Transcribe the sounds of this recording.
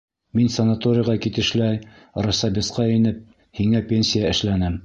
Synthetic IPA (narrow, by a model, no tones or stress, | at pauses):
minsɐnat̪oɾʲɪjʁɑkit̪ɘ̆ʃlæj | rɑsɑbʲisqɑinɘp̚ | hiŋæpʲenʲsʲɪjaɘ̆ʃlænɘm